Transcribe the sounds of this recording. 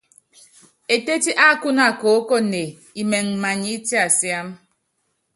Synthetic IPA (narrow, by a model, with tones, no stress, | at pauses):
e˨te˦ti˦ʔa˦ku˦na˨ko˨˦ko˦˨ne˨ | i˨me˨ŋ̩˨ma˨ɲi˨˦ti˦a˨sja˦m